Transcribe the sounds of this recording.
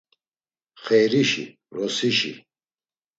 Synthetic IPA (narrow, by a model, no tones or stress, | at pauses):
χɛɾiʃḭ | ɾɔsiʃḭ